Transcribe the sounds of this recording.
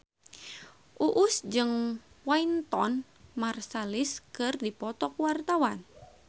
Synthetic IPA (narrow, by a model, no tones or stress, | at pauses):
ʔuʔʊsd͡ʒɨŋ | waint̪ɔn | marsaliskɨrdipɔt̪ɔkwart̪awan